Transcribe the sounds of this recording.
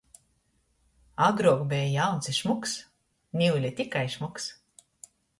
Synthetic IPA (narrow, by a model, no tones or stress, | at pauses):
aɡɾuɔkbʲɛjjawnt̪siʃmuks | nʲiwlʲit̪ʲikajʃmuks